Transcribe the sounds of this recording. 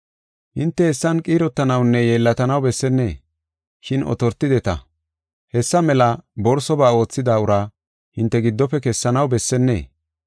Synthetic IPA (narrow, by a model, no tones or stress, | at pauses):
hɪnt̪ːɛhɛsːɐnkʼiːɾɔt̪ːɐnɐwnːɛje̞ːlːɐt̪ɐnɐwbɛsːɛnːe̞ː | ʃɪnɔ̰t̪ɔɾt̪ːɪd̪ɛt̪ɐ̰ | hɛsːɐmɛlɐbɔɾsɔbaːo̞ːt͡sːɪd̪aːʊɾa | hɪnt̪ːɛɡɪd̪ːɔpːɛkɛsːɐnɐwbɛsːɛnːe̞̰ː